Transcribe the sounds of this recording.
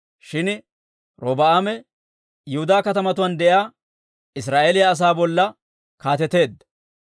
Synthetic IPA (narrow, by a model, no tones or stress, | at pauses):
ʃɪn | ɾoːbɐaːmɛ | jʊhʊd̪aːkɐt̪ɐmɐt̪ʊwɐnd̪ɛʔjaː | ɪs̬ɾaːʔelɪjɐɐs̬aːbɔlːɐ | kaːt̪ɛt̪e̞ːd̪ːɐ